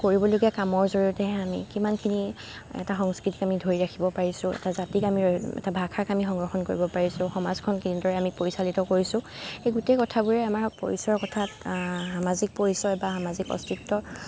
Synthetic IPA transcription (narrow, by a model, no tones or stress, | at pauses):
koɹibɔloɡijakamɔɹzoɹiutɛamḭkimankʰini | ɛ̰taxɔŋskɹitikamidʱoɹiɹakʰibɔpaɹisʊ̃ɛ̰tazatikamiɛ̰tabʱakʰakamixɔŋɡɹɔxɔnkoɹibɔpaɹisʊ̃xɔmazkʰɔnkʰinidɔɹɛamipoɹisalitɔkoɹisʊ̃xejɡutekɔtʰabuɹɛamaɹpo̰ɹisɔɹkɔtʰathamazik̚poɹisɔjbaxamazikɔ̰stitːɔ